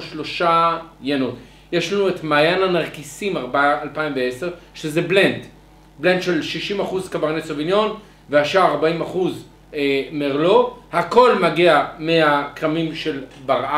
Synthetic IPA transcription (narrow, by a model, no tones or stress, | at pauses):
ʃlo̞ʃajano̞t | je̞ʃlanuetmaːjananaʁkisimaʁbalpaimveeseʁʃezeble̞nd | ble̞ndʃe̞lʃiʃimaχuzkabaʁnesovinjo̞n | vehaʃaaʁbaimaχuz | emeʁlo̞hako̞lmaɡeameakʁamimʃe̞lbaʁa